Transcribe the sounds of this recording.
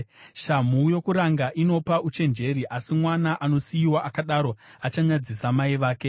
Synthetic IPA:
ʃamujo̞kuɾaŋɡaʔino̞paut͡ʃe̞nd͡ʒe̞ɾiʔasimwanaʔano̞sijiwaʔakaɗaɾo̞at͡ʃaɲad͡zisamaiʋaːke̞

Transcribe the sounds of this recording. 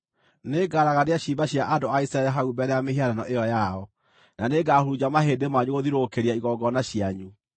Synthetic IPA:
neːɡaɾaɣaɾeaɕiːbaɕjaʔadoaisaɛɾaɦaubɛɾɛameheaɾanɔʔeɔjaɔ | naneɡahoɾud͡ʑamaɦedemaɲuɣoðiɾokeɾiaiɣɔɡɔnaɕiaɲu

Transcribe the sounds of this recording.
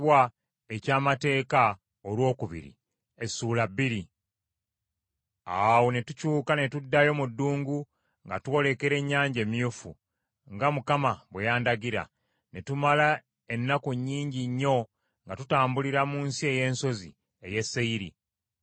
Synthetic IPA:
wa | e̞caːmate̞ːka | olwo̞ːkuβḭɾḭ | esːuːlabːiɾi | awonetucuːkane̞tudːajo̞mudːuːŋɡu | ŋɡa̰tuo̞le̞ke̞ɾe̞ɲːaːɲɟe̞ːmjufṵ | ŋɡamukamaβwejaːndaɡiɾa̰ | netumala | e̞nːakuɲːiːɲɟiɲːo̞ | ŋɡatutaːmbuliɾamuːnsie̞je̞ːnso̞zḭ | e̞je̞sːeiɾḭ

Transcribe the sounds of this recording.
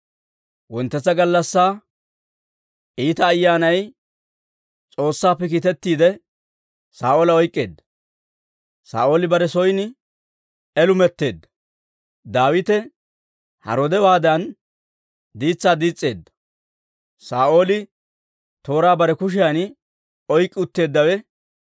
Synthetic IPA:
wɔnt̪ːɛt͡sːɐɡɐlːɐsːaː | ʔiːt̪ɐːjːaːnɐj | t͡sʼo̞ːsːaːpːɛk̬iːt̪ɛt̪ːiːd̪ɛ | saːʔoːlɐɔjkʼːe̞ːd̪ːɐ̥ | sa̰ːʔo̞ːlɪbɐɾɛsɔjnɪ | ɛlʊmɛt̪ːe̞ːd̪ːɐ̥ | d̪aːwɪt̪ɛ | hɐ̰ɾod̪ɛwaːd̪ɐn | d̪iːt͡sːaːd̪iːt͡sʼːe̞ːd̪ːɐ̥ | saːʔo̞ːlɪ | t̪o̞ːɾaːbɐɾɛkʊʃ̬ɪjɐnɪ | ɔjkʼːɪʊt̪ːe̞ːd̪ːɐwɛ

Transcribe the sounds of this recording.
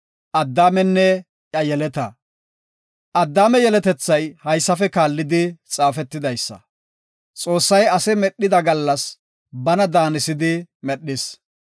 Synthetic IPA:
ʔɐd̪ːaːmɛnːɛ | ʔɐjɛlɛt̪ɐ | ʔɐd̪ːaːmɛjɛlɛt̪ɛt͡sːɐjhɐjsːɐfɛkaːlːɪd̪ɪt͡sʼaːfɛt̪ːɪd̪ɐjsːɐ̰ | t͡sʼo̞ːsːɐjɐsɛmɛɗːɪd̪ɐɡɐlːɐs | bɐnɐd̪aːnɪsɪd̪ɪmɛɗːɪs

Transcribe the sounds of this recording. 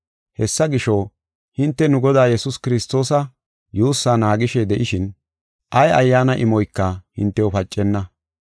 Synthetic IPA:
hɛsːɐɡɪʃo | hɪnt̪ːɛnʊɡɔd̪aːjɛsʊskɪɾɪst̪ːo̞ːsɐ | juːsːaːnaːɡɪʃed̪ɛʔɪʃɪn | ʔɐjʔɐjːaːnɐʔɪmɔjkːɐhɪnt̪ːɛwɔpɐt͡ʃʼːɛnːɐ

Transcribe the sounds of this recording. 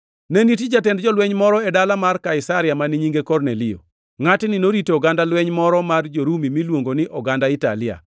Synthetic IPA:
nenitid͡ʒatɛndd͡ʒɔlwɛɲmɔɾɔɛdalamarkaɪsaɾɪamaniɲiŋɡekɔrnelɪo̰ | ŋatɪnɪnoɾitoːɡandalwɛɲmɔɾɔmard͡ʒoɾumimilwoŋɡonɪʔɔɡandaɪta̰lɪa̰

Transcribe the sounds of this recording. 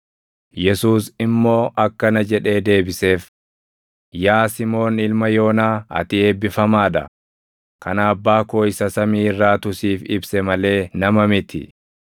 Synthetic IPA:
jɛsuːsɪmːo̞ːʔɐkːɐnɐd͡ʒɛᶑe̞ːd̪e̞ːbɪse̞ːf | jaːsɪmo̞ːnɪlmɐjo̞ːnaːɐ̰t̪ɪeːbːɪfɐmaːᶑ̪ɐ̰ | kɐnaːbːaːkoːɪsɐsɐmiːrːaːt̪ʊsiːfɪ̰bsɛmɐle̞ːnɐmɐmɪt̪ɪ̰

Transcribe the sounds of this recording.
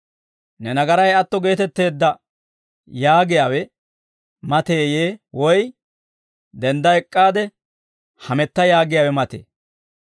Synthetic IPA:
nɛnɐɡɐɾɐjɐt̪ːɔɡe̞ːt̪ɛt̪ːe̞ːd̪ːɐ | jaːɡɪjaːwɛ | mɐt̪eːjeːwɔj | d̪ɛnd̪ɐɛkʼːaːd̪ɛ | hɐmɛt̪ːɐjaːɡɪjaːwɛmɐt̪ḛː

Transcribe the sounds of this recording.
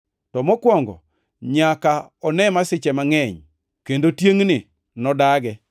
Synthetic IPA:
tɔmɔkwɔŋɡɔ̰ | ɲakaɔnɛmasɪt͡ʃɛmaŋɛɲ | kendotjeŋnɪ | nɔdaɡɛ

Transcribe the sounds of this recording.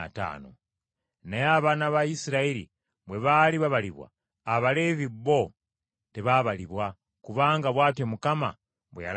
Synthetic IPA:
ta̰ːno̰ | najaβaːnaβajisiɾaeɾḭ | βwe̞βaliβaβaliβwa̰ː | βalevibo | teβaβaliβwa | kuβaːŋɡaβwaːtjo̞mukama̰ | βwḛja̰l

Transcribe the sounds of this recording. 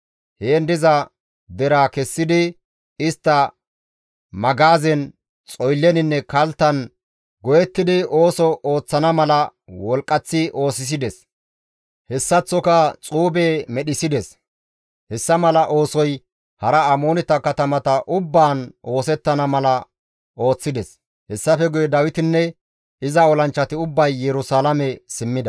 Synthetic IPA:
heːnd̪ɪzɐ | d̪ɛɾaːkɛsːɪd̪ɪ | ɪst̪ːɐ | mɐɡaːzɛn | t͡sʼɔjlːɛnɪnːɛkɐlt̪ːɐn | ɡɔjɛt̪ːɪd̪ɪʔo̞ːsɔʔoːt͡sːɐnɐmɐlɐwɔlkʼːɐt͡sːɪʔo̞ːsɪs̬ɪd̪ɛs | hɛsːɐt͡sːɔkɐt͡sʼuːbeːmɛɗɪsɪd̪ɛs | hɛsːɐmɐlɐʔo̞ːsɔj | hɐɾɐɐmo̞ːnɪt̪ːɐkɐt̪ɐmɐt̪ɐʔʊbːaːnʔo̞ːsɛt̪ːɐnɐmɐlɐ | ʔo̞ːt͡sːɪd̪ɛs | hɛsːɐfɛɡʊjɛd̪ɐwɪt̪ɪnːɛ | ɪzɐɔlɐnt͡ʃːɐt̪ɪʊbːɐjːɛɾʊsaːlɐmɛsɪmːɪd̪ɐ

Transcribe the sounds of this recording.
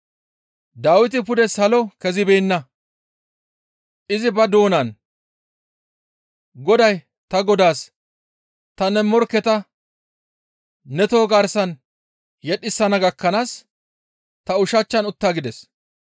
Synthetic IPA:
d̪aːwɪt̪̬ɪpʊd̪ɛsɐlɔkɛzɪbɛːnːɐ | ʔɪzɪbɐd̪o̞ːnɐn | ɡɔd̪ɐj | t̪ɐɡɔd̪aːs | t̪ɐnɛmːɔɾkːɛt̪ɐ | nɛt̪o̞ːɡɐɾsɐn | jɛɗɪsːɐnɐɡɐkːɐnaːs | t̪ɐʊʃɐt͡ʃːɐnʊt̪ːaːɡɪd̪ɛs

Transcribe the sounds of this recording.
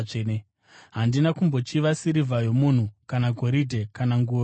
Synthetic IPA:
ene | ɦandinakumbo̞t͡ʃiʋasiɾivʱajo̞mun̤ukanaɡʱo̞ɾidʱe̞kanaŋɡuːo

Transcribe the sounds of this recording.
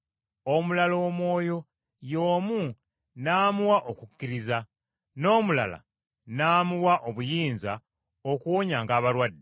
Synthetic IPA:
o̞mulalo̞ːmwo̞ːjo̞ | jo̞ːmu | naːmuwaʔokukːiɾiza | no̞ːmula̰la̰ | naːmuwaʔo̞βujiːnza | o̞kuwoɲaŋɡaːβaɾwadːe

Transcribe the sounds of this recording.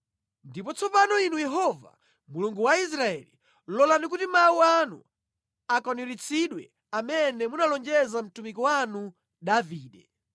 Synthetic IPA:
ndipɔt͡sɔpanɔinujɛɦɔva̰ | muluŋɡuwais̬ɾaɛli | lɔlanik̬utimawuanṵ | akɔnuɾit͡sʰiɗwɛ̰ | amɛnɛmunalɔnd͡ʒɛzam̩tumikɔwanu | ɗaviːɗɛ

